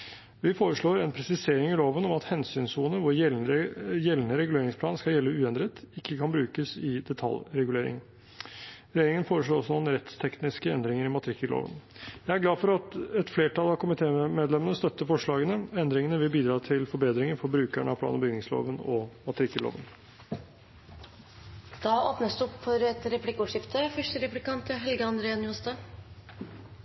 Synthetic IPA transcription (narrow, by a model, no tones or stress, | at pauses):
ʋɪfoːɾəʂɭoːɾɛnpʰɾɛsɪseːɾɪŋɪloːʋənɔmɑt̪hɛnsyːnsuːnəʋʊɾjɛljɛlnəɾɛɡʉleːɾɪŋspʰlɑːnskɑljɛlːəʉːɛnd̪ɾət̪ɪkːəkʰɑnbɾʉːkəsɪd̪ɛt̪ʰɑ̰lɾɛɡʉleːɾɪ̰ŋ | ɾɛjeːɾɪŋənfoːɾəʂɭoːɾɔsːɔnuːnəɾɛt̪st̪ʰɛknɪskəɛnd̪ɾɪŋəɾɪmɑt̪əɾɪkːəlo̰ːʋə̰njæɪæɾɡlɑːfɔɾɑt̪ɛt̪fleːʈʰɑlɑʋkʰʊmɪt̪ʰeːmeːd̪lɛmənəst̪œt̪ːəfɔʂɭɑːɡənəɛnd̪ɾɪŋənəʋɪlbiːd̪ɾɑːt̪ʰɪlfɔɾbeːd̪ɾɪŋəɾfɔɾbɾʉːkæɳəɑpʰlɑ̰ːnbəʏnɪŋslo̰ːʋənɔmɑt̪əɾɪkːəlo̰ːʋə̰n | d̪̥ɑːoːpnəsd̪ʉɔpfɔɾɛt̪ɾɛplɪkːuːʂɪft̪əfœʂʈəɾɛplɪkɑnt̪əɦɛlɡəɑnd̪ɾeːɑnjʊhɑst̪ə